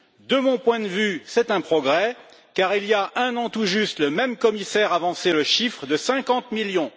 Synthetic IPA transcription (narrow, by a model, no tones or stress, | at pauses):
d̪əmɔ̃pwɛ̃d̪vysɛt̪ɛ̃pχɔɡʁɛ | kaʁilijaʔɛ̃nɑ̃t̪uʒyst̪ləmɛmkɔmisɛʁavɑ̃seləʃifχəd̪əsɛ̃kɑ̃t̪miljɔ̃